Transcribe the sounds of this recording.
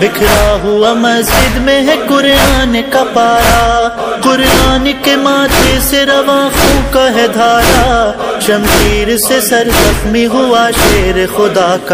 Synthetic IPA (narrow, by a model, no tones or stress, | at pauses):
ʋɪkʰɾaːɦʊamɐzd͡ʒɪd̪mẽɦɛ̃kʊɾjaːnekapaːɾaː | kʊɾjaːnikemaːt̪ʰeseɾɐʋãːxũkaɦɛd̪ʱaːɾa | ʃɐ̃msiːɾsesɐɾzɐxmiɦʊaːʃeːɾxʊd̪aːka